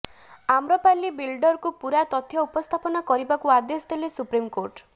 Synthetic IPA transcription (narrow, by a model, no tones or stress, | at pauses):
amɾɔpalibilɖɔɾkupuɾat̪ɔt̪ʰjɔupɔst̪ʰapɔnakɔɾibakuad̪esd̪elesupɾimkoɾʈ